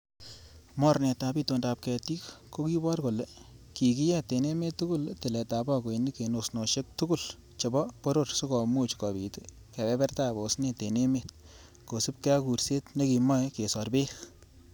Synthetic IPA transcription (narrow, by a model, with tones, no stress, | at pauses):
mɔ˦ɾne˨ta˨bi˦to˨nda˨p̚kɛ˨ti˦kko˦ki˦bɔ˦rko˨leki˨ki˦jɛ˦te˨ne˦me˦tːuɡu˦lte˨lɛ˨ta˨ba˦ko˨ini˦ke˨no˨sno˨ʃe˦k̚tu˦ɡu˦l | t͡ʃe˨bɔ˦po˦ɾorsu˦kɔ˨mu˦t͡ʃkɔ˨bi˨te | kɛ˨bɛ˦bɛ˦rta˦bo˨sne˨te˨ne˦met̚ | ko˨su˦p̚ke˦a˦ku˨ɾse˦tne˦ki˨mɔ˦ke˨sɔrbe˦x